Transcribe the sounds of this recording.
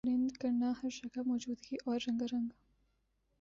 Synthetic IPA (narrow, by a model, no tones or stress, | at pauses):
ɾɪnd̪kɐɾnahɐɾʃɐkamɔːd͡ʒuːd̪ɡiʔɔːɾːɐ̃ŋɡaɾɐ̃ŋɡ